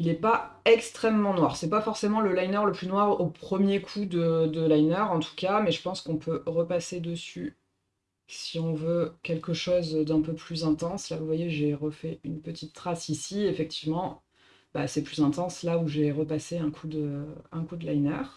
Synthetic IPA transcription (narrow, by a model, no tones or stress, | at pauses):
ilɛpaɛkst̪χɛmːɑ̃nwaʁsɛpafɔʁsemɑ̃ləlajnœʁləplynwaʁopχəmjekʰud̪əd̪əlajnœʁɑ̃t̪ʰu̥kamɛʒəpɑ̃skɔ̃pʰøʁəpased̪əsy | siɔ̃vøkʲɛlkəʃozd̪ɛ̃pøplyzɛ̃t̪ɑ̃slavuvwajeʒeʁəfɛynpət̪ʰit̪ːχasisiefɛk̚t̪ʰivmɑ̃ | ba̰sɛplyzɛ̃t̪ɑ̃slauʒeʁəpaseɛ̃kʰud̪əɛ̃kud̪əlajnœʁ